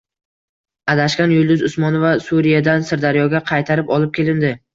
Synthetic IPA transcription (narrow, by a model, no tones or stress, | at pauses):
ad̪aʃkʲanjʊlˠd̪ʊzʊsmɒnovasuɾijad̪ansɪɾd̪aɾjɒɡʲaqʰɑjt̪ʰaɾɪpɒlˠɪp̚kʲe̞lɪnd̪ɪ